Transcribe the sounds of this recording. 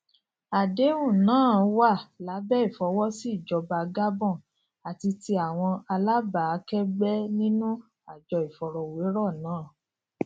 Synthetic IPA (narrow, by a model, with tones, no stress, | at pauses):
a˨de˨˦ũ˦˨nãː˨˦˨wa˦˨la˨˦bɛ˦i˦˨fɔ˨˧˦wɔ˦si˦˨d͡ʒɔ˧ba˧˨ɡa˦bɔ̃˦˨ | a˨ti˧ti˧a˨w̃ɔ̃˧a˧la˦ba˨˦kɛ˦ɡ͡bɛ˦nĩ˦nũ˦ | a˦˨d͡ʒɔ˧i˨fɔ˨ɾɔ˧we˨˦ɾɔ˦˨nãː˨˦˨